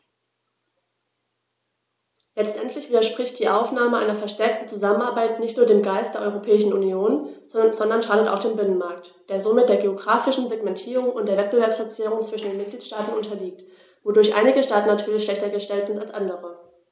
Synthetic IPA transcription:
lɛt͡stʔɛntʰlɪçv̥iːdɐʃpʁ̥ɪçt̚d̥iːʔaʊfnaːməʔa̰ɪnɐfɛɐʃtɛɐk̚tn̩t͡suzamənaɐbaɪtnɪçtnuɐdeːmɡaɪstd̥eːɐʔɔʏʁopʰɛːɪʃn̩unjoːnzzɔndɐnʃaːdəta̰ʊxd̥eːnbɪnənmaɐktd̥eːɐzomɪt̚d̥eːɐɡeoɡʁaːfɪʃn̩zeɡmɛntʰiːʁʊŋʊntd̥eːɐvɛt̚b̥əvɛɐpsflɛɐt͡siːʊŋt͡sv̥ɪʃn̩deːnmɪt̚ɡ̥liːtʃtaːtn̩ʔʊntʰɐliːk̚t | vodʊɐçʔa̰ɪnɪɡəʃtaːtn̩ːatʰyːɐlɪçʃlɛçtɐɡəʃtɛltz̥ɪntalsʔandəʁə

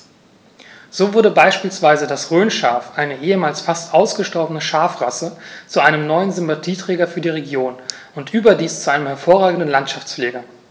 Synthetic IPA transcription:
z̥oːvʊɐdəbaɪʃpiːlsv̥aɪzədasʁøːnʃa̰ɐfʔaɪnəʔeːəmaːlsfastʔaʊsɡ̥əʃtɔɐbənəʃaɐfʁasət͡suʔaɪnəmnɔʏənzʏmpatʰiːtʁ̥ɛːɡɐfyːɐdiːʁ̞eɡjoːn | ʊntʔyːbɐdiːst͡suʔaɪnəmhɛɐfoːɐʁaːɡŋ̩dən̩lantʃaft͡sfleːɡɐ

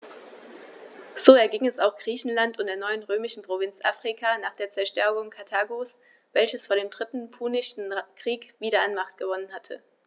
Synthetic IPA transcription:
z̥oːɛɐɡɪŋɛsaʊxɡ̥ʁiːçn̩lantʊntd̥eːɐnɔʏənʁøːmɪʃn̩pʁ̥ovɪnt͡sʔa̰fʁ̥ikʰanaːχd̥eːɐt͡sɛɐʃtɛɐɡʊŋkʰatʰaːɡos | vɛlçəsfoːɐdeːmdʁɪtn̩pʰuːnɪʃn̩kʁ̥iːkv̥iːɾɐanmaχtɡ̥əvɔnənhatʰə̰

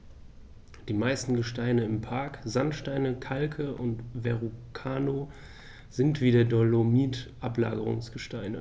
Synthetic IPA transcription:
d̥iːmaɪstn̩ɡəʃtaɪnəɪmpʰaɐkzantʃtaɪnəkʰalkʰəʔʊntvɛʁukʰaːno | zɪntv̥iːdeːɐdɔlomiːtʔapla̰ːɡəʁʊ̰ŋsɡ̥əʃtaɪnə̰

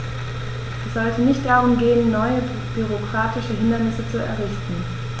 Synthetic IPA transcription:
ʔɛsz̥ɔltʰənɪçt̚d̥aʁʊmɡeːənːɔʏə | b̥yʁ̞okʁ̥aːtɪʃəɦɪndɐnɪsət͡suɛ̰ɐʁɪçtn̩

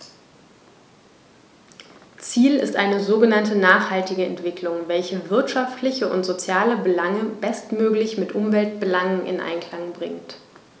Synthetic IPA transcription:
t͡siːlɪstʔaɪnəzoːɡənantənaːχhaltɪɡəɛ̰ntv̥ɪklʊŋvɛlçəvɪɐtʃaftlɪçəʔʊ̰ntz̥ot͡sjaːləbəlaŋəbɛstmøːklɪçmɪtʔʊmvɛlt̚b̥əlaŋənʔɪ̰nʔa̰ɪnkʰl̥aŋbʁɪ̰ŋt

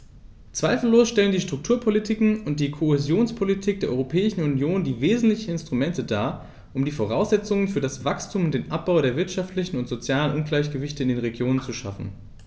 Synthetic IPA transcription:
t͡sv̥aɪfl̩loːsʃtɛləndiːʃtʁ̥ʊk̚tʰuːɐpʰolitʰikŋ̩ʊnt̚d̥iːkʰohezjoːnspʰolitʰiːk̚d̥eːɐʔɔ̰ʁopʰɛːɪʃn̩unjoːndiːveːzn̩tlɪçn̩ɪnstʁ̥umɛntədaː | ʔʊmdiːfoʁ̞aʊsz̥ɛt͡sʊŋənfyːɐdasv̥akstʰuːmʊnt̚d̥eːnʔap̚b̥aʊdeːɐvɪɐtʃaftʰlɪçn̩ʊntz̥ot͡sjaːlənʔʊnɡlaɪç̬ɡ̥əvɪçtəɪndeːnʁeɡjoːnənt͡suʃa̰fn̩

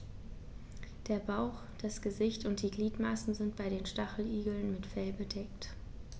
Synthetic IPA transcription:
d̥eːɐbaʊx | d̥asɡ̥əzɪçtʊnt̚d̥iːɡliːtmasn̩zɪntb̥aɪɾeːnʃtaχl̩iːɡl̩nmɪtfɛlbədɛkt

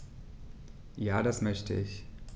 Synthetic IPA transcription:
jaːdasmœçtʰəɪç

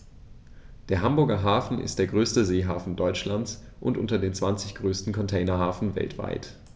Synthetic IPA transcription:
d̥eːɐɦambʊɐɡɐɦaːfn̩ɪ̰std̥eːɐɡʁøːstəzeːɦaːfn̩dɔʏt͡ʃlant͡s | ʔʊ̰ntʔʊ̰ntɐdeːnt͡sv̥ant͡sɪçɡ̥ʁøːstn̩kʰɔntʰeɪnɐɦaːfn̩vɛ̰ltv̥a̰ɪt

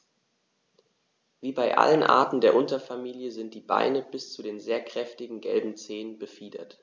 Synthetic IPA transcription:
viːbaɪʔa̰lənʔa̰ːɐtn̩deːɐʔʊntɐfamiːljəzɪnt̚d̥iːba̰ɪnəbɪst͡sudeːnzeːɐkʁ̥ɛftɪɡŋ̩ɡɛ̰lbm̩t͡seːənbəfiːdɐ̰t

